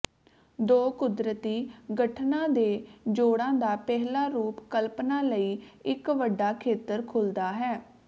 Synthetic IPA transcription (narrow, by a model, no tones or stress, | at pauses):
d̪oːkʊd̪ɾət̪iːɡəʈʰnãːd̪eːd͡ʒoːɽãːd̪aːpɛɦlaːɾuːpkəlpnaːləiːɪkʋəɖːaːkʰeːt̪əɾkʰʊld̪aːɦɛː